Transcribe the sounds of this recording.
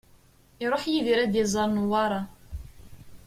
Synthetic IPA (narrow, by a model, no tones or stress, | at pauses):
iɾˤoħjiðiɾæd̪izˤɑɾˤnuwɑɾˤɑ